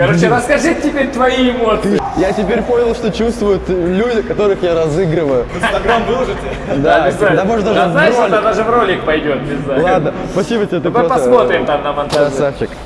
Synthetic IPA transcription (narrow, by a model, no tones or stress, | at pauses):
kɐɾot͡ɕɪɾəskɐʐɨtʲɪpʲeɾʲt̪vɐiɪmot̪sɨɨjatʲɪpʲeɾʲpo̞nʲɪlˠʂt̪o̞t͡ɕust̪vʊjʊt̪lʲudʲɪkɐt̪o̞ɾɨxjaɾɐzɨɡɾɨvəjʊnst̪ɐɡɾamvlˠʐɨt̪ʲ | d̪aɪzad̪amoʐɨt̪d̪aʐaɪʂolʲd̪ad̪aʐɨvɾo̞lʲɪk̚pɐjdʲo̞t̪̚nʲɪznalˠad̪nəsspɐsʲibətʲɪbʲet̪ɨpmɨopɐsmo̞t̪ɾʲɪmt̪amnɐmɐnt̪aɐsaft͡ɕːɪk̚